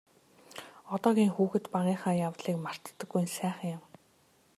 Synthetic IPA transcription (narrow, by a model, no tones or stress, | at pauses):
ɔt̪ɔːɣʲiːŋxuːxɘ̆t̪paʁiːχaːjaw̪ɮiːkmar̥t̪ːə̆ɡːujnsæːχə̆ŋjʊ̆m